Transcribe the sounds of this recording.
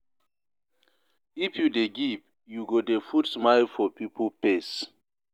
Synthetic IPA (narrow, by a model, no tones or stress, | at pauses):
ifjudeɡip | juɡodefudsmajlfɔpipʰɔpes